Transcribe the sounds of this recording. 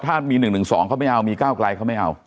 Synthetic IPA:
t̪ʰaː˥˩miː˧nɯ˨˩ŋnɯ˨˩ŋsɔː˩˦ŋkʰa˥˩ma˥˩ʔa˧wmiː˧kaː˥˩wkla˧jkʰa˥˩wma˥˩jʔa̰˧w

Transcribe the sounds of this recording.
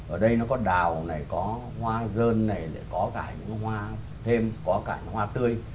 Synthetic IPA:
ʔəː˧˩ɗə˧jnɔ˨˦kɔ˨˦ɗaː˨˩wna˨˩jkɔ˨˦ | hwaː˧zəː˧nːa˨˩jla̰ː˧˨kɔ˨˦kaː˧˩ɲɨ̰˧˥ŋ˦ɦwaː˧ | t̪ʰe˧mkɔ˨˦kaː˧˩ɲɨ̰˧˥ŋhwaː˧t̪ɨ˧əj

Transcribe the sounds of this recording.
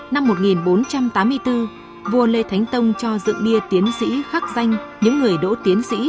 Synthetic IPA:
na˧mːo˨˩t̚ŋi˨˩nɓo˨˦nt͡ɕa˧mt̪aː˨˦mːɨ˧əjt̪ɨ˧ | vu˨˩əlḛ˧˨t̪ʰa˨˦jŋ̟t̪ə˧wŋ͡mt͡ɕɔ˧zɨ̰˧˨ŋɓi˧ət̪i˨˦ənsḭ˧˥xa˦˥k̚za˧jŋ̟ɲɨ̰˧˥ŋːɨ˨˩əjɗo̰˧˥t̪i˨˦ənsḭ˧˥

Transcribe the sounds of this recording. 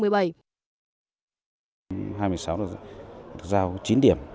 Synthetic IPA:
mɨ˨˩əjɓa˧˩j | ɦaː˧jm˧əjsa˨˦wɗɨ˨˩k̚zaː˧wt͡ɕi˨˦nɗi˧˩əm

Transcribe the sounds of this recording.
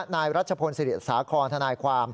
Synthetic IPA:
naː˧jɾa˦˥t̪̚t͡ɕʰa˧pʰo˧nsi˧ɾi˨˩t̪̚saː˩˦kʰɔː˧nt̪ʰa˧naː˧jkʰwaː˧m

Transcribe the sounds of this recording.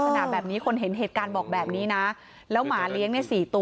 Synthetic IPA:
a˧na˨˩bɛː˨˩p̚niː˦˥kʰo˧nɦe˩˦nɦeː˨˩t̪̚kaː˧nbɔː˨˩k̚bɛː˨˩p̚niː˦˥na˦˥ | lɛː˦˥wmaː˩˦li˦˥əŋni˥˩jsiː˨˩t̪u˧

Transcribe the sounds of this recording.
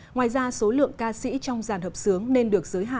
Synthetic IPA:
ŋwaː˨˩jzaː˧so˨˦lɨ̰˧˨əŋkaː˧sḭ˧˥t͡ɕɔ˧wŋ͡mzaː˨˩nhəː˨˩p̚sɨ˨˦əŋne˧nɗɨ˨˩ək̚zəː˨˦jɦa̰ː˧˨

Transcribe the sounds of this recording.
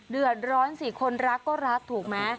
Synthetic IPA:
dɯ˨˩ət̪̚ɾɔː˦˥nsiː˨˩kʰo˧nɾa˦˥kːɔː˥˩ɾa˦˥k̚t̪ʰuː˨˩k̚maː˧˩

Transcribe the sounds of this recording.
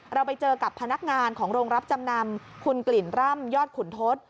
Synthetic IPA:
ɾa˧wpa˧jt͡ɕɤː˧ka˨˩pʰːa˧na˦˥k̚ŋaː˧nkʰɔː˩˦ŋɾoː˧ŋɾa˦˥p̚t͡ɕa˧mna˧mkʰu˧nkli˨˩nɾa˥˩mjɔː˥˩t̪̚kʰu˨˩nt̪ʰo˦˥t̪̚

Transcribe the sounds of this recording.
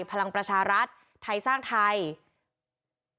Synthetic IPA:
pʰa˧la˧ŋpɾa˧t͡ɕʰaː˧ɾa˦˥t̪̚ʰːa˧jsaː˥˩ŋt̪ʰa˧j

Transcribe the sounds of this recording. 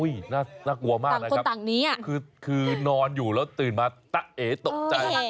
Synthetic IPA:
u˧˥˩jnaː˥˩naː˥˩ku˧˩ɐmaː˥˩kŋna˦kʰo˧˦t̪a˨˩ŋniː˦˥ʔa˨˩kʰɯː˧kʰɯː˧nɔː˧njuː˨˩lɛː˦˥wt̪ɯː˨˩nmaː˧t̪a˦˥ʔʔeː˩˦t̪o˨˩t͡ɕa˧j

